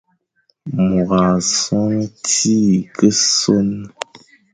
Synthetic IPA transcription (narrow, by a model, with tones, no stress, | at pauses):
mu˨ɣa˨sɔ˦ŋti˦kə˦so˦n